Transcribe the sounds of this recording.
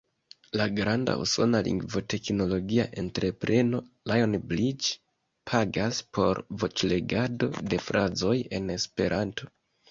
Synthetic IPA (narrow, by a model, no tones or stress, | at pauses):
laɡɾanda̰ṵso̞nalḭŋɡvo̞te̞kno̞lo̞ɡia̰ʔe̞ntɾe̞pɾe̞no̞lajonblit͡ʃ | pʰaɡaspʰo̞ɾvo̞t͡ʃle̞ɡado̞̰de̞fɾʔazo̞je̞ne̞spe̞̰ɾʔantʰo̞̥